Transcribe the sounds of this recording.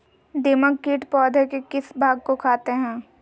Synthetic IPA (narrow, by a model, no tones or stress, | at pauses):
d̪ɪːməkkiːʈpɔːd̪ʱəɾkekɪsbʱaːɡ̚kokʰaːt̪eɦɛ̃ː